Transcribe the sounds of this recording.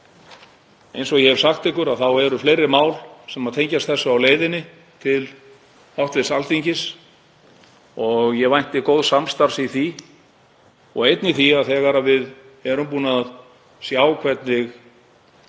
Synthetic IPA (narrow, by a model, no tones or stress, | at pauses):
ejnsɔɣjɛhɛvsaxt̪ɪhkʏɾaðθawɛɾʏfleːjɾɪmaːwlsɛmaðt̪ʰejɲcast̪θɛsːaːwleːjðɪnɪ | t̪ʰɪl | awht̪vɪsalt̪iɲcɪs | ɔɣjɛvajn̥t̪ɪkowðsamst̪aɾ̥siθi | ɔɣejt̪niθiaðθɛːɣaɾavɪð | ɛɾʏmpuːnað | sjaːwkʰvɛt̪nɪx